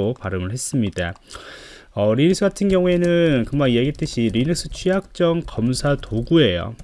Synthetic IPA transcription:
opaɾɯmɯɭhe̞s͈ɯmɲida | ʌɾinik̚s͈ʰɯɡatʰɯnɡjʌŋue̞nɯnkɯmanijeɡiɭt͈ɯɕʰiɾinik̚s͈ʰɯ̥t͡ɕʰwijak̚t͡ɕ͈ʌŋkʌmsʰatoɡue̞jo̰

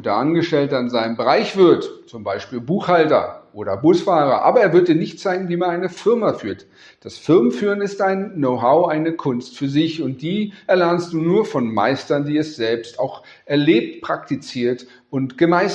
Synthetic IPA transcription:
ndḛʔanɡəʃtɛltəanzaɪnəmbəʁaɪçv̥ɪɐtt͡sʊmbaɪʃpiːlbuːxhaltɐ̰ʔoːɾɐbʊsfaːʁɐ̰ʔa̰ːbɐeːɐvʏɐtdiːɐnɪçtt͡saɪɡŋ̩viːmanʔaɪnəfɪɐmafyːɐt | d̥asfɪɐmənfyːʁ̞ənɪstʔaɪnːoʊɦaʊʔaɪnəkʰʊnstfyːɐdɪçʊnt̚d̥iːʔɛɐlɛɐnst̚d̥uːnuːɐfɔnma̰ɪstɐndiːɛsz̥ɛlpstaʊx | ʔɛɐleːp̚tpʁ̥aktit͡siːɐt | ʊntɡ̥əmaɪs

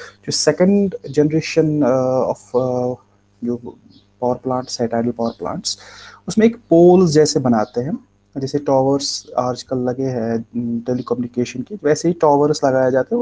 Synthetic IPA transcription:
d͡ʒoːsɛkə̃ɳɖd͡ʒɛnəɾeːʃənɔ̰ːf | d͡ʒoː | paːʋəɾplãːɳʈsaɪʈaːɖəlpaːʋəɾplã̰ːɳʈsʊsmẽeːkpoːlzd͡ʒɛːsebɐnaːt̪eɦɛ̃ː | d͡ʒɛːseʈɔːʋəɾsaːɾd͡ʒkəlːɐɡeɦɛʈeːlikɔːmjunɪkeːʃənkiʋɛːseɦiʈɔːʋəɾslɐɡaːjed͡ʒaːt̪eɦɛ

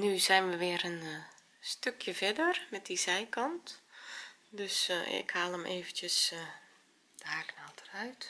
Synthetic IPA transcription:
nyzɛjnʋəʋɪəɾən | støkʰjəvɛdərmɛt̚dizɛjkɑnt | døsɪ̰khaːlˠəmʔeːvəntjəs | daːknaltʰə̥rœɥt

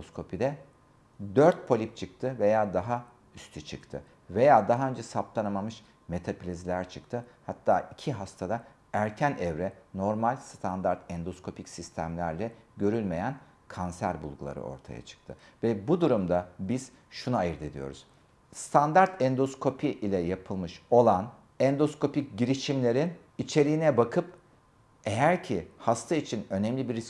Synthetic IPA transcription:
oskʰo̞pʰid̪ɛ | d̪øɾt̪̚pʰo̞lʲip̚t͡ʃʰɯk̚t̪ʰɯve̞jaːd̪aɦa | yst̪ʰyt͡ʃʰɯkt̪ʰɯ̰ | ve̞jaːd̪aɦaø̞nd͡ʒɛsaplˠanamamɯʃ | me̞t̪ʰapilʲizlʲæɾt͡ʃʰɯkt̪ʰɯhat̪ʰːaːʔicʰiɦast̪ʰad̪a | æɾcʰænʔɛvɾɛno̞ɾmalʲst̪ʰand̪aɾt̪ʰɛnd̪oskʰo̞pʰicsist̪ʰæmlʲæɾlʲɛɟø̞ɾylʲme̞jæn | kʰansæɾbṵlˠɡulˠa̰ɾɯ̰o̞̰ɾt̪ʰa̰ja̰t͡ʃʰɯ̥k̚t̪ʰɯ̰vɛbud̪uɾumd̪abiz̥ | ʃunaːjɯɾd̪ed̪ijo̞̰ɾuz̥ | st̪ʰand̪aɾt̪ʰɛnd̪o̞skʰo̞pʰiʔilʲɛjapʰɯlˠmɯʃo̞lˠan | ɛnd̪o̞skʰo̞pic̚ɟiɾiʃimlʲe̞ɾin | it͡ʃʰe̞ɾiːnɛbakʰɯp̚ | e̞jæɾcʰihast̪ʰait͡ʃʰinø̞nɛmlʲibiɾi

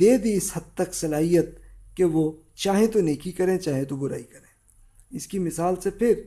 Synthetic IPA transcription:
d̪eːd̪iɪshɐd̪̚t̪ɐksɐlaːɦijət̪̚keʋo | t͡ʃaːɦẽt̪oneːkʰikɐɾẽːt͡ʃaːɦẽt̪obʊɾa̰ːikɐɾẽː | ɪskimɪsaːlsepʰɪɾ

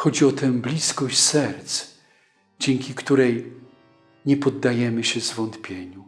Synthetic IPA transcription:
xɔd͡ʑiɔt̪ɛ̃blʲiskɔɕt͡ɕsɛɾt̪s | d͡ʑɛŋkʲikt̪uɾɛj | ɲɛpɔd̪ːajɛmɘɕɛzvɔnt̪pʲjeɲu

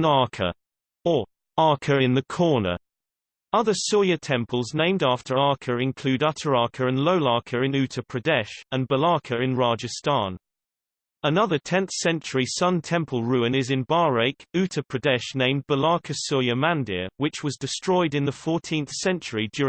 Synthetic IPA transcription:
nɑɹkʰə̰ | ə | ɑɹkʰəɹɪ̃nðəkʰɔːnə̰ | ʌðəsɔjətʰɛ̃mpʰəlˠznẽɪ̃mdɑˑftʰə˞ɑˑkʰəɹɪ̃nkʰl̥ʉːɾʌtʰəɹɑˑkʰəɹə̃nləʊlɑˑkʰəɹɪ̃nʉˑtʰəpʰɹ̥ədɛʃə̃nbəlɑˑkʰəɹɪ̃nɹɑːd͡ʒəstɑ̰̃ːn | ənʌðətʰɛ̃nθsɛ̃nt͡ʃəɹisʌ̃ntʰɛ̃mpʰəlˠɹʉːɪ̃nɪzɪ̃nbɑːɹeɪkʉˑtʰəpʰɹ̥ədɛʃnẽɪ̃m̚b̥əlɑˑkʰəsɔjəmæ̃ndɪ̰wɪt͡ʃwɒzdɪstɹ̥ɔɪdɪ̃nðəfɔˑtʰĩnθsɛ̃nt͡ʃəɹid͡ʒjɔ

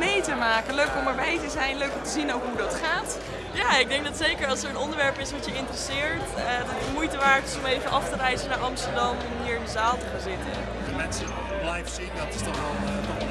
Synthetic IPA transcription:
mejtəmaːkəløɥkɔməɹbɛjtəzɛjnløɥkɔmtəzinowkɦudɑtχaːt | jaːɪɡ̚dɛŋk̚dɑtsejkəɹɑlˠsəɹənɔndəɹʋɛɹpɪsʋɑtjəɪntrəsɪːɹtdɑtɪsmujtəʋaːɹtɪsɔmejvənʔɑftərɛjzənaːɹɑmstəɹdɑmɛnɦiːɹɪndəzaːlˠtəχaːnzɪtə | dmɛnsə | blajfsinatɪsdɔnɛlˠ

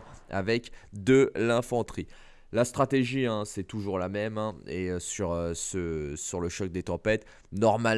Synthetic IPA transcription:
a̰vɛkd̪əlɛ̃fɑ̃t̪χi | last̪χat̪eʒiɛ̃sɛt̪uʒuʁlamɛmɛ̃eøsyʁøsəsyʁləʃɔk̚d̪et̪ɑ̃pɛt̪ | nɔʁmal

